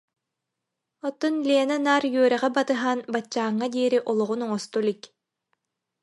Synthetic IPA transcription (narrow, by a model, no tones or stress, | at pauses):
ɔt̪ːɔnleɛnanaːɾjyœɾɛʁɛbat̪ɯɦaːnbat͡ɕːaːŋːad̪iːɾiʔɔlˠɔʁunɔŋɔst̪ulik